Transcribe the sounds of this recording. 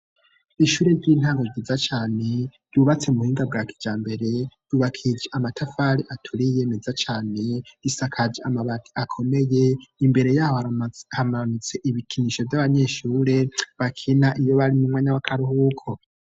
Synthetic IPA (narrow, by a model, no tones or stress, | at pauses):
iʃuːɾe̞ɾɟiːn̥haːŋɡoɟizat͡ʃaːne̞juβat͡se̞muhiːŋɡab̚ɡaːki̥d͡ʒaːmbe̞ɾe̞d̥uβakʰid͡ʒeamatʰafaɾiʔatʰuɾijemezat͡ʃaːne̞isakʰad͡ʒeamaβatiakʰo̞me̞je̞imbe̞ɾe̞jaːhohahamaβanut͡se̞ʔiβikʰiniʃo̞vjaβaɲe̞ʃuːɾe̞βakʰinaʔijo̞βaɾimumŋaːɲawakʰaɾuhukʰo